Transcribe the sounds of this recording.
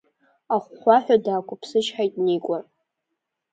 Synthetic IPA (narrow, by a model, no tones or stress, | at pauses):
aχʷːaħʷᶣadaːkʷʰʊpʰsɨʃħajtʼnikʷʼa